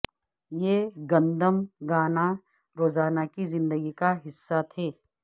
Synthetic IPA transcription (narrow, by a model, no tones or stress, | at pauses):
jeːɡɐ̃nd̪əmɡaːna | ɾoːzaːnakizɪ̃nd̪əɡikaɦɪsːat̪ʰeː